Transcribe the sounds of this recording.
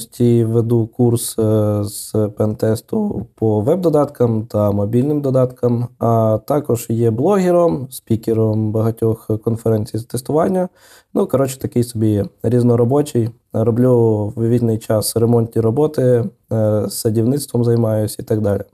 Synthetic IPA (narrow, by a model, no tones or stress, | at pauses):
sʲtʲiʋed̪ukursz̥pɛnt̪ɛst̪ʊpɔʋɛb̚d̪ɔd̪ɑt̪kɐmt̪ɐmɔbʲilʲnɪmd̪ɔd̪ɑt̪kɐmɐt̪ɑkɔʒjɛblˠɔɦʲɪɾɔmspʲikʲɪɾɔmbɐɦɐtʲɔxkɔnfeɾɛnʲt͡sʲijzɐt̪est̪ʊʋɑnʲːɐ | nukɔɾɔt͡ʃɪ̥t̪ɐkɪjsɔbʲiɾʲiznɔɾɔbɔt͡ʃɪj | rɔblʲuwʋʲinɪjt͡ʃɑsremɔnʲt̪ʲnʲiɾɔbɔt̪ɪ | sːɐdʲiwnɪt̪st̪ʋɔmzɐjmɑjʊsʲɐit̪ɑɡd̪ɑlʲi